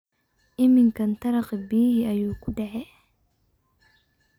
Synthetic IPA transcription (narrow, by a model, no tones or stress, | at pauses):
ʔɪmɪŋkʰɐnt̪ʰɐɾɐqɪbiːhɪɐjuːkʰʊɖɛʕɛ